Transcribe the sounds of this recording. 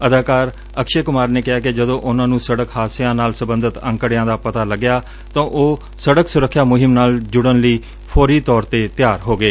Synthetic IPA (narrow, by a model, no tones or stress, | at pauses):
əd̪aːkaːɾ | əkʃeːkʊmaːɾneːkɪɦaːkɪd͡ʒəd̪õːʔʊnãːnũːsəɽəkhaːsjãːnaːlsəbə̃nd̪ət̪ə̰̃ŋkəɽɪjãːd̪aːpət̪aːləɡːjaː | t̪ãːʔoː | səɽəksʊɾəkʰːjaːmʊɦɪmnaːld͡ʒʊɽənləiː | pʰɔːɾiːt̪ɔːɾt̪eːt̪ɪjaːɾɦoːɡəeː